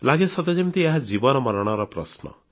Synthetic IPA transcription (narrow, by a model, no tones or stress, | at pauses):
laɡesɔd̪ɔd͡ʒemt̪ieɦad͡ʒibɔnɔmɔɾɔɽ̃ɔɾɔpɾɔsnɔ̰